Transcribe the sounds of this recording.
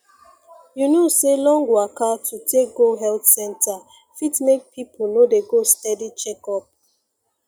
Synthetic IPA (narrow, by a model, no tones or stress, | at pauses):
junoselɔ̃ŋɡoakatʰutʰek̚ɡoɦɛltsɛ̃nta | fitmek̚pʰipʰonodeɡostɛdit͡ʃɛkɔp̚